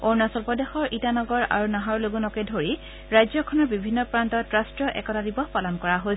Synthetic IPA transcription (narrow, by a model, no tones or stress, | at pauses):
oɹnasɔlpɔdexɔɹʔitanɔɡɔɹa̰ɹunaɦɔɹloɡunɔkɛdʱoɹi | ɹajzɔkʰɔnɔɹbibʱinːɔpɹantɔtɹastɹɔʔɛ̰kɔtadibɔxpalɔnkɔɹaɦoj